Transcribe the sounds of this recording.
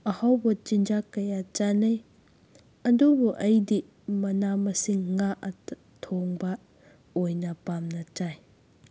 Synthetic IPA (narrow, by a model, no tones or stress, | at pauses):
ɐhawbɐt͡ʃind͡ʒakɐjat͡ʃanɐj | ɐdubuʔɐjdi | mɐnamɐsiŋːaʔɐ | tʰoŋbɐ | ojnɐpamnɐt͡ʃaj